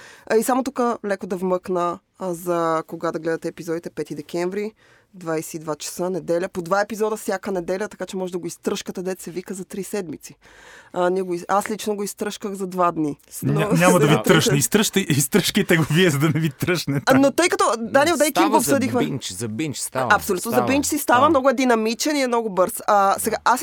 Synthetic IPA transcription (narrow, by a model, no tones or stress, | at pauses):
isamot̪ukəlɛkod̪ɐvmɤknə | zɐkoɡad̪ɐɡlɛd̪ɐt̪ɛːpizɔd̪it̪ɛpɛt̪id̪ɛkʲɛɱvɾi | d̪vajsɛid̪vat͡ʃɛ̥sənɛd̪ɛlʲəpod̪vaɛpizɔd̪əfsʲjakənɛd̪ɛlʲət̪ɐ̥kat͡ʃɛmɔʒɛd̪ɐɡoist̪ɾəʃkət̪ɐd̪ɛt̪sɛvikəzɐt̪ɾisɛd̪mit̪si̥ | nʲiɛɡoiaslit͡ʃnoɡoist̪ɾɤʃkəɣzɐd̪vad̪ninaɲamɐd̪ɐvit̪ɾɾəʃnɛist̪ɾəʃt̪əist̪ɾəʃkit̪ɛɡoviɛzɐd̪ɐnɛvit̪ɾəʃnɛnot̪ɤjkɐt̪ɔd̪anilˠd̪jk̪imɡoːpssɤd̪ixmɛnt͡ʃzɐbint͡ʃst̪aɐpsolʲut̪nozɐbint͡ʃsist̪avɐmnɔɡʊɛd̪inɐmit͡ʃɛniɛmnɔɡobɤɾssɛɡaʔas